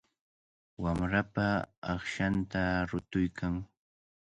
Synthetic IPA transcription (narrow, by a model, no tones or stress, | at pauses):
wamɾapaɑχʃant̪aɾʊt̪ʊjkʰaŋ